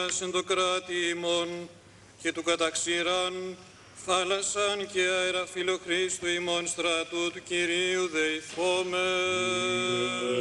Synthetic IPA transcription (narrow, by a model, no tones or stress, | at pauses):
ɐsend̪okɾɐt̪iːmo̞n | ce̞t̪ukɐt̪ɐksiɾɐn | θɐlɐsɐnceɐeɾɐfilo̞xɾist̪uimo̞nst̪ɾɐt̪ut̪uciɾiuðeiθome